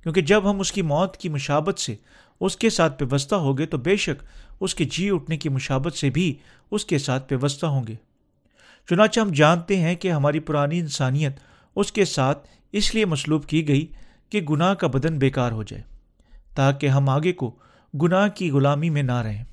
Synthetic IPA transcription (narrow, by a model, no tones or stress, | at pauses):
kjõːked͡ʒɐbɦɐmʊskimɔːt̪kimʊʃaːbət̪se | ʊskesaːt̪̚ʰʋɐʋəs̬t̪aɦoɡet̪obeːʃəkʊsked͡ʒiːʊʈʰnekimʊʃaːbət̪sebʱi | ʊskesaːt̪̚ʰʋɐʋəst̪aɦõːŋɡeː | t͡ʃʊnaːt͡ʃeɦɐmd͡ʒaːnt̪eɦɛ̃keɦɐmaːɾipʊɾaːniɪ̃nsaːnijət̪ | ʊskesaːt̪ʰ | ɪsliemɐsluːbkiɡɐi | keɡʊnaɦkabɐd̪ənbeːkaːɾɦoːd͡ʒa̰ːeː | t̪aːkeɦɐmaːɡeko | ɡʊnakiɣʊlaːmimẽnaɾɐɦẽː